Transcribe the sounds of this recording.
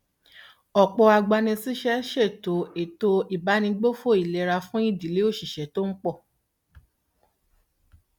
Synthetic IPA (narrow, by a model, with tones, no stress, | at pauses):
ɔ˨k͡pɔ˧a˧ɡ͡ba˧nĩ˧si˦ʃɛ˦ʃe˦˨to˨˦e˨to˧i˨ba˨˦nĩ˧ɡ͡bo˦fo˦˨i˨lɛ˧ɾa˧fũ˦i˦˨di˨˦le˨˦o˦˨ʃi˦˨ʃɛ˨˦to˦n̩˦k͡pɔ˦˨